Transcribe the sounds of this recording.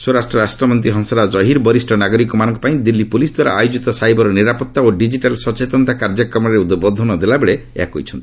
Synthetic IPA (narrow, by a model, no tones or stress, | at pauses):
soɾasʈɾɔɾasʈɾɔmɔnt̪ɾiɦɔŋsɔɾad͡ʒɔɦiɾbɔɾisʈʰɔnaɡɔɾikɔmanɔŋkɔ̥paĩd̪ilːipulisd̪waɾa̰ajud͡ʒit̪ɔsaɦjbɔɾɔniɾapɔt̪ːaoɖid͡ʒiʈalsɔt͡ʃet̪ɔnt̪akaɾd͡ʒakɾɔmɔɾeud̪bɔd̪ʱɔnɔd̪elabeɭeḛɦakɦo̰jt͡ʃʰɔnt̪i